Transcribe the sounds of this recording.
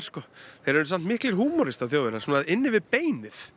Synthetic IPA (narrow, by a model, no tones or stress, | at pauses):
ɾskɔθejɾɛɾsam̥t̪mɪhklɪɾ̥ɦuːmɔɾɪst̪aθjoːwvɛɾaɾsuːnaðɪnːɪvɪðpeːjnɪθ